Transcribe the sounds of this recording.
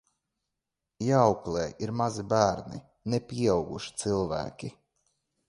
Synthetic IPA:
jawklˠeːʔiɾmazibæːɾnḭ | nepʲiɛawɡuʃi̥t̪silˠvæ̰ːkʲi

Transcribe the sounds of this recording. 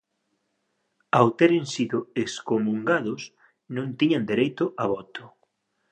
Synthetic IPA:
awt̪ɛɾɪŋsiðʊeskomuŋɡaðʊs | nõnt̪iɲand̪eɾejt̪ʊʔaβɔt̪ʊ̥

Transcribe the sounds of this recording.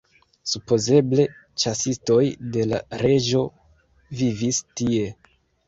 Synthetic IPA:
supo̞ze̞ble̞ | t͡ʃasisto̞jde̞la̰ɾe̞d͡ʒo̞ | vivistie̞

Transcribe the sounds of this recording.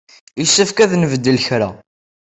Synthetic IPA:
isːəfkæðnəvəd̪ːəlçɾæ

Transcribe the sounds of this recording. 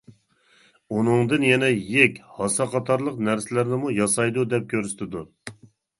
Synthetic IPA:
unɨŋd̪ɨnjɛnɛjɪkʲhɑsɑqʰɑt̪ʰɑɾlˠəqnæɾsɪlæɾnɪmujɑsɑjd̪ud̪ɛp̚kʲʰøɾst̪ʰɪd̪u

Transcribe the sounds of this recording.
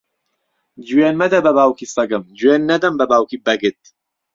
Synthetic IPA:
d͡ʒuwenmɐd̪ɐbɐbaːwkʰisɐɡɨmd͡ʒwenːɐd̪ɐmbɐbaːwkibɐɡɨt̪̚

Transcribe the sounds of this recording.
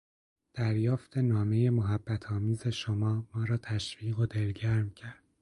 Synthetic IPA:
d̪̥æɾjɒːft̪ʰe̞nɒːme̞je̞moɦæbːæt̪ʰɒːmiːze̞ʃomɒːmɒːɾɒːt̪ʰæʃviːɣod̪e̞lɟæɾmcʰæɾd̪̥̚

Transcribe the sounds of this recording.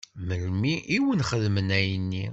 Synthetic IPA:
məlmiʔiwənχəðmənæjənːi

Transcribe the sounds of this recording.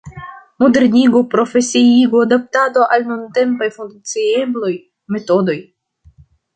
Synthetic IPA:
modeɾniɡopɾo̞fe̞siiɡoad̪ap̚tado̞ʔalnunte̞mpajfund̪t͡siebloj | me̞to̞do̞j

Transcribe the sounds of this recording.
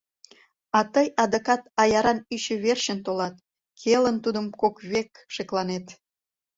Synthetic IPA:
ɑt̪əjɑd̪əkɑt̪ɑjɑɾɑnyɕə̆βerʃənt̪olɑt̪̚ | kʰelənt̪ud̪əmkokβek | ʃeklɑnet̪

